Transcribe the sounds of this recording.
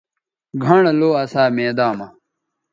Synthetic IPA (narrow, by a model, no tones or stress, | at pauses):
ɡʱɐɳɐloːɐsaːmeːd̪aːmɐ